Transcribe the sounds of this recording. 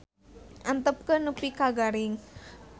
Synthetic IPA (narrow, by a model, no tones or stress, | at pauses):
ʔant̪əp̚kənupikaɡaɾɪŋ